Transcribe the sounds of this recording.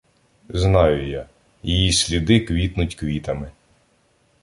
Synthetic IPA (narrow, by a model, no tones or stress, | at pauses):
znɑjʊja | jijisʲlʲid̪ɪkʋʲit̪nʊtʲkʋʲit̪ɐmɪ